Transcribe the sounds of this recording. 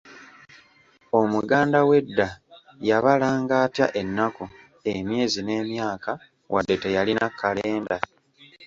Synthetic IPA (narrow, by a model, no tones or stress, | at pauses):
o̞muɡaːndawe̞dːa | jaβalaːŋɡaːtja̰ʔe̞nːako | emje̞ːzine̞ːmjaːka | wadːe̞te̞jalinakʰːalee̞ːnda